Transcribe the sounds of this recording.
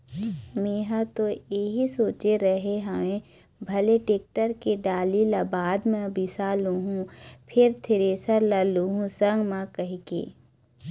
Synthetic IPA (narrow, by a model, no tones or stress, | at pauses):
meːɦat̪ojeɦisoːt͡ʃeɾəɦeɦɐmẽ | bʱɐleʈeːk̚ʈəɾkeɖaːlilabaːd̪mɛ̃bɪsaːluɦũpʰɪɾt̪ʰɪɾeːsəɾlaːluɦũsə̃ŋɡmãkɐɦkḛː